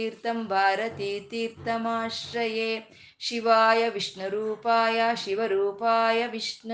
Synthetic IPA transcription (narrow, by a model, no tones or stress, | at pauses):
iːɾt̪ɐmbʱaːɾɐt̪iːt̪iːɾt̪ɐmaːʃɾɐjeː | ʃiʋaːjɐʋiʂɳɐɾuːpaːjaʃiʋɐɾuːpaːjɐʋiʂɳ